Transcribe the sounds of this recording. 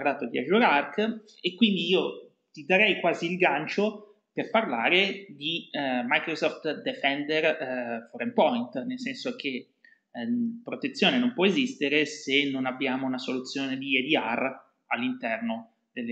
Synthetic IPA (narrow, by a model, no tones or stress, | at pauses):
rlaːt̪od̪ia̰ʒuɾark | ekːwind̪iiːo | t̪id̪aɾɛjkwaːziːlɡant͡ʃo | perparlaːɾed̪imajkɾosɔft̪d̪efɛnd̪erfoɾɛmpɔjnt̪nelsɛnsok̟e | pɾot̪et̪sːjoːnenompwɔezist̪eɾesenːonabːjaːmounasolut̪sːjoːned̪ied̪iar | alːint̪ɛrno | d̪elː